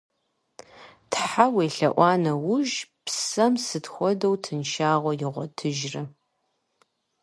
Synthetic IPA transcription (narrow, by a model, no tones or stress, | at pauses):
tʰħaweːɬɐʔʷɑːnɐwʊʒpsɐmsɨtxʷɔdɐwtʰɨnʃaːʁʷɔjɪʁʷɔtʰɨʒrɨ